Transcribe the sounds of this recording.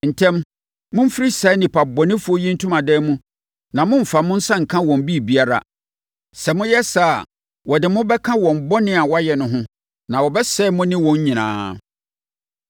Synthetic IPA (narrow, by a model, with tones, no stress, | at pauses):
n̩˨tʰɛ̃˦m | mʊ̃˦m̩˦fi˦ɾi˦sa˨˦nɪ̃˨pʰa˨bɔ˨nɪ̃˦fu˦o˦jĩ˦n̩˦tʰʊ̃˦mã˨dɛː˦mũ˦ | nã˨mʊ̃˦m̩˨fa˨mʊ̃˦n̩˦sã˦ŋ̩˨kʰã˦wɔ̃˨m˨bi˦˨bi˦a˦ɾa̰˨ | sɛ˨mʊ̃˦jɛ˦sa˦˨ | wɔ˨dɪ˨mʊ̃˦bɛ˦kʰã˦wɔ̃˨m˨bɔ˦nɪ̃˦a˨wɔ˦a˦jɛ˨nʊ̃˨ɦʊ̃˦ | nã˨wɔ˨bɛ˦sɛ˦mʊ̃˦nɪ̃˦wɔ̃˨ɲ˦ɲĩ˨nã̰ː˨˦